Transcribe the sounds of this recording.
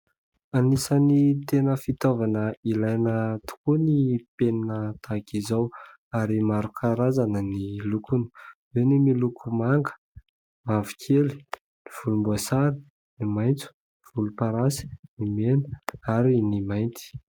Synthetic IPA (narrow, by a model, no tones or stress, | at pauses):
anisənit̪enəfit̪ovanəilajnət̪u̥kunipeninət̪ʰakizaw | aɾimaɾukʰaɾazanənilukunu̥wenimilukʰumaŋɡə̥ | mavikʰeli̥ | niv̥ulumbuasaɾi̥ | nimajnt͡su̥ | niv̥ulupaɾasi̥nimenəaɾinimajnt̪i̥